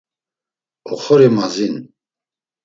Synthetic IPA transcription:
ɔχɔɾimazin

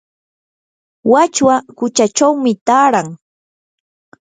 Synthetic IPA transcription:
wat͡ʃwakʊt͡ʃat͡ʃawmɪt̪aːɾaŋ

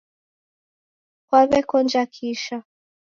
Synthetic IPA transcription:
kwaβɛkɔnd͡ʒakʰiʃa

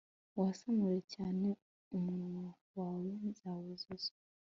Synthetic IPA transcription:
wasamuɾecaːne | umu | waːwenzawezeze

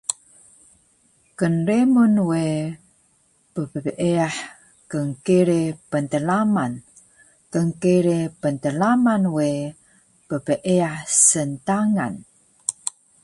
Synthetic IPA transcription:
kənremunwe | pəpəəʔeaħ | kəŋkiɾepənt̪əlaman | kəŋkiɾepənt̪əlamanwe | pəpəʔeaħsənt̪aŋa̰n

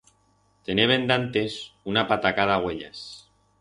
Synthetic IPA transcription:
t̪e̞neβ̞e̞nd̪ant̪e̞sunapat̪akaðaɣweʎa̰s

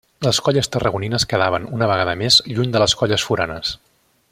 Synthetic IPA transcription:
ləskɔʎəst̪ərəɣuninəskəðaβənunəβəɣaðəmezʎuɲd̪ələskɔʎəsfuɾanəs

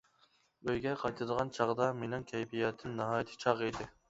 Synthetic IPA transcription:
øjɡʲɛqʰɑjt̪ʰɨd̪əʁɑnt͡ʃʰɑʁd̪ɑmenɨŋkʲʰɛjpijɛt̪ʰːɪnnːɨɦɑːjt̪ʰɨ̥t͡ʃʰɑʁid̪ɪ

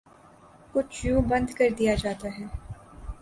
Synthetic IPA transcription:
kʊt͡ʃʰjũbɐ̃nd̪kɐɾd̪ijad͡ʒaːt̪aɦɛː

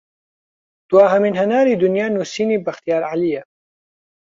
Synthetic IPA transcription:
d̪̥waːɦɐmɪnɦɐnaːɾiːd̪ʊnjaːnusiːniːbɐxt̪ijaːɾʕalija

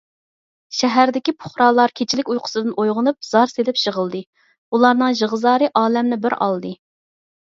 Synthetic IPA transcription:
ʃɛɦæɾd̪ɪkʲipʰʊ̥χɾɑːlˠɑɾkʲʰet͡ʃʰilɪkʲujqʰʊ̥sɨd̪ɨnojʁʊnup̚z̥ɑɾselɪpʃəʁəlˠd̪ɨ | ulˠɑɾnɨŋʒəʁəzɑːɾɨʔɑːlɛmnɪbɪɾɑ̰lˠd̪ɨ

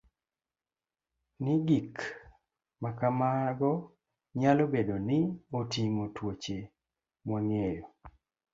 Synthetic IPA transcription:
nɪɡik | makamaaɡɔ | ɲalobedonɪotimotwot͡ʃe | mwɔŋejo

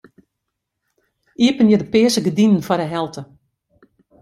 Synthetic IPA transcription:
ʔiəpənjədəpɪəsəɡədinən̩fɔɾdəɦɛlˠtʰə

